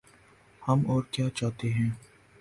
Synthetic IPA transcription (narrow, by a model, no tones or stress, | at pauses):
hɐmɔːɾkjaːt͡ʃaːt̪eɦɛ̃ː